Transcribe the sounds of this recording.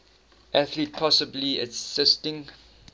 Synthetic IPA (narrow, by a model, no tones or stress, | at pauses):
ʔæθlit̚pʰɔsəbliəsɪstɪ̃ŋ